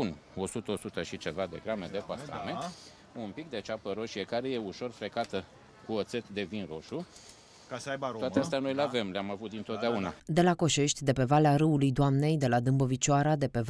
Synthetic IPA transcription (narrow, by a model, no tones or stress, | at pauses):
uno̞sut̪əosut̪əʃit͡ʃe̞vad̪e̞ɡɾame̞d̪e̞pasa̰me̞ | unpik̚d̪e̞t͡ʃapəɾo̞ʃiekaɾe̞je̞uʃo̞rfɾe̞kat̪ə | kuot̪se̞t̪d̪e̞vinɾo̞ʃu | kasəaj̪oat̪east̪eano̞jlave̞mleamavut̪̚d̪int̪ot̪d̪eaunad̪e̞lako̞ʃe̞ʃt̪ʲd̪e̞pe̞valeaɾɨulujd̪oamne̞jd̪e̞lad̪ɨmbovit͡ʃoaɾad̪e̞pe̞